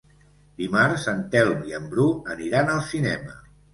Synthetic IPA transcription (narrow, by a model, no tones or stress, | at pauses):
d̪imaɾzənt̪ɛlmiəmbɾuəniɾanəlˠsinɛmə̰